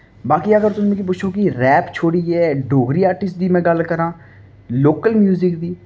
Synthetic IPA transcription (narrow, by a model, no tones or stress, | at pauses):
baːkiːəɡəɾt̪ʊsmẽkip̬ʊːt͡ʃʰʃʰoːkiɾɛːpt͡ʃʰoːɽiːɛːɖoːɡɾiːaːɾʈɪsʈ̚d̪iːmɛ̃ːɡəlkəɾãː | loːkəlmjuːzɪkd̪iː